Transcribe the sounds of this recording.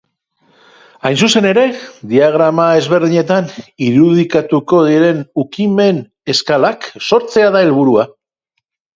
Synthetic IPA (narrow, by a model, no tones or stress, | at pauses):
ajnsuse̞ne̞ɾe̞d̪iaɣ̞ɾamae̞zβe̞ɾðiɲe̞t̪aniɾuð̞ikat̪uko̞ð̞iɾe̞nukime̞n | e̞skalakso̞ɾt͡se̞aðae̞lβ̞uɾua